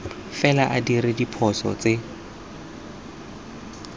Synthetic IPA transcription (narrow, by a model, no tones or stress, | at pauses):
fɛlaʔadirɪdipʰɔsɔ̰t͡se